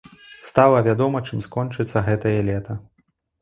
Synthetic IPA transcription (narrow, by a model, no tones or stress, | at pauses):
st̪alˠɐvʲad̪ɔmɐt͡ʂɨmskɔnt͡ʂɨt̪sːɐɣɛt̪ɐjɛlʲɛt̪ɐ